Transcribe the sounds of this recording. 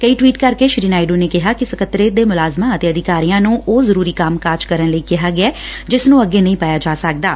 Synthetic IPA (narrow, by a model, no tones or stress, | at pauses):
kəiːʈwiːʈkəɾkeːʃɾiːnaːɪɖuːneːkɪɦaːkɪsəkət̪ːɾeːd̪eːmʊlaːzmãːət̪eːəd̪ɪkaːɾijãːnũːʔoːzəɾuːɾiːkamkaːɾd͡ʒkəɾənləikɪɦaːɡɪaːd͡ʒɪsnũːəɡeːnəɦĩːpaːjaːd͡ʒaːsək̚d̪aː